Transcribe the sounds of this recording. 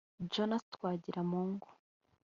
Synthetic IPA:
d͡ʒonast̪kwaːɟiɾamuːŋɡu̥

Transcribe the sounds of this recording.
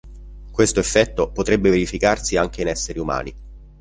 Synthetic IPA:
kwest̪oefːɛt̪ːopot̪ɾebːeveɾifikarsiaŋk̟einɛsːeɾiuma̰ːni

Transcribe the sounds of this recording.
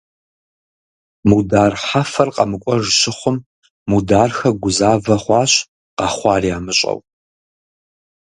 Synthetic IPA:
mudaːrħafɐrqɐmɨkʷʼɔʐʃɪχʷʊmː | udaːrxɐɡʷʊzaːvɐχʷɑːɕ | qɑχʷɑːriaːmɨɕʼɐ̰w

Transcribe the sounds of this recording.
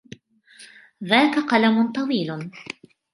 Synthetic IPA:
ðaːkaqɑlamʊt̪ˤɑwiːl

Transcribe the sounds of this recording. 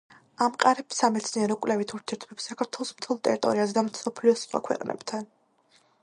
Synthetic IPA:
amqʼaɾɛpsamɛt̪sʰniɛɾɔkʼwlɛvit̪ʰuɾt̪ʰiɛɾt̪ʰbɛpsːakʰaɾt̪ʰwɛlˠɔsmt̪ʰɛlˠt̪ʼɛɾit̪ʼɔ̰ɾiazɛd̪amsɔpʰliɔsχwa̰kʰwɛ̰qʼnʔɛ̰bt̪ʰan

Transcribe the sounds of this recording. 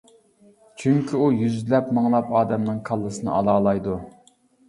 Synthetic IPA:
t͡ʃʰyŋkʲʰiujyzlɛpmɨŋlˠɑpɑːd̪ɛmnɨŋkʰɑlˠːɨsɨnɨ̰ɑlˠɑːlˠɑjd̪u

